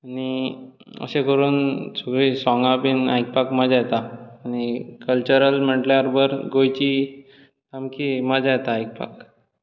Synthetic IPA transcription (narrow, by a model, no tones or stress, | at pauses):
añi | ə̰sekəɾuːnsoɡɾiːsɔ̃ŋɡapiːna̰jk̚pakməd͡ʑajt̪aːñikəlt͡ɕəɾəlm̤əʈljaɾbəɾɡojt͡ɕiː | t̪amkiːməd͡ʑʱajt̪aːjk̚pa̰k